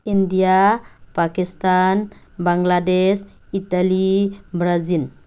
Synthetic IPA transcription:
ind̪iapakist̪an | baŋɡladɛs | it̪alibɾazil

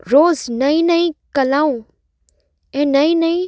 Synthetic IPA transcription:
ɾoːznɐĩnɐĩkɐlaːũ | ɛ̃ːnɐĩnɐĩ

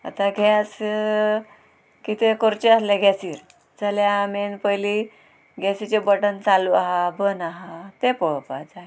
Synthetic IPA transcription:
a̰t̪aɡʱas | kit̪ekoɾt͡ɕeəsleɡʱɛsiːɾ | d͡zaljamenpəjli | ɡʱɛsit͡ɕebəʈənt͡saluaɦabənaɦat̪epəɭpad͡zaɦe

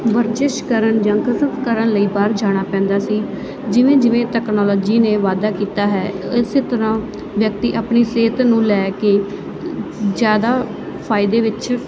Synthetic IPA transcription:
ʋəɾt͡ʃɪʃkəɾəɳd͡ʒãːkəsət̪kəɾəɳləiːbaːɾd͡ʒaːɽ̃aːpɛ̃ːnd̪aːsiː | d͡ʒɪʋẽːd͡ʒɪʋẽːt̪ɛːknɔːlɔːd͡ʒiːneːʋaːd̪aːkiːt̪aːɦɛːɪseːt̪əɾãː | ʋjək̚t̪iːʔəpɳiːseːt̪nũːlɛːkeː | d͡ʒjaːd̪aː | pʰaːɪd̪eːʋɪt͡ʃ

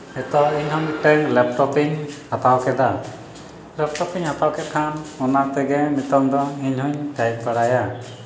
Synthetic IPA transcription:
ɛt̪ɔiɲɦɔɲʈɛŋlɛp̚ʈɔpiɲhat̪awkɛd̪a | lɛpʈɔpiɲhat̪awkɛt̪̚kʰanɔnat̪ɛɡɛmit̪ɔŋd̪ɔiɲhɔɲʈajpaɽaja

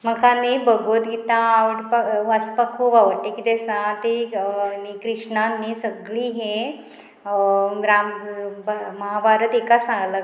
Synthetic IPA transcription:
m̤əkãnibəɡot̪ɡit̪ãʋɽpəəspəkʰuːpaʋəɾʈ̪ːekit̪esãt̪enikɾiʂɳanːisəɡɭiɦẽ | ɾambməɦabaɾət̪ekasãŋɡla

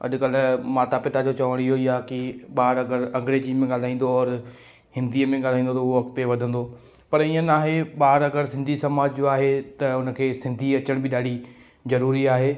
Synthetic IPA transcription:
ɐ̰ɗʊkəlmaːt̪apɪt̪ad͡ʑot͡ɕɐʋəɽ̃ɪɦoɪɦakiɓaːɾɐɡəɾɐ̃ŋɡɪɾed͡ʑiːmẽɠaːl̤aːĩːn̆d̪oɔːɾ | hɪ̃nd̪iːəmẽɠaːl̤aːĩːnd̪ot̪ɐʊɦoʋɐk̚t̪eʋɐd̪ʱə̃n̆d̪o | pɐɾĩə̃naːɦeɓaːəɾɐɡəɾsɪ̃nd̪ʱisɐmaːd͡ʑd͡ʑoaːɦet̪ɐʊnəkʰeːsɪ̃nd̪ʱiɐt͡ɕəɽ̃bɪɗaːɽ̤i | zɐɾuːɾiaːɦeː

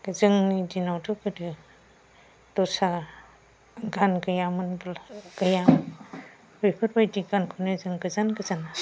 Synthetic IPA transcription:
ɡɯzɯŋnidinawdɔkʰɯdɯ | d̥ɔsa | ɡanɡɯjamɯnbɯlɡ̥ɐjam | bɯjpʰɯɾbajdiɡankʰonɯzɯŋɡɯzanɡɯzana

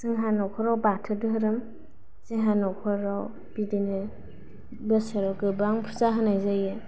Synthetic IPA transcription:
sɯŋɦanɔkʰɔɾawbatʰɯdɯɦɯɾɯm | ziɦanɔkʰɔɾaw | b̥idinɯ | bɯsaɾawkɯbaŋpʰɯzaɦɯnajzajɯ

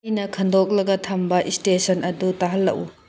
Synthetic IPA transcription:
jnɐkʰɐndok̚lɐɡɐtʰɐmbɐʔistesɐnɐdutaɦɐlːɐ̰ʔu

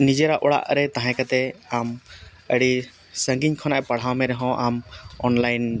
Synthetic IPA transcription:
nid͡ʒɛɾaʔɔɽa̰ʔɾɛt̪aɦãkat̪ɛam | əɽi | səŋɡiɲkʰɔnaʔpaɽ̤awmɛɾɛɦɔ̃ʔamɔnlajn

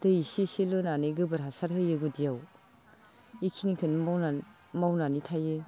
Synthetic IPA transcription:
d̥ɯjisisilonanɯɡɯbɯɾɦasaɾhɯjɯɡudijaw | ikʰinkʰɯnmawna | mawnanitʰajɯ

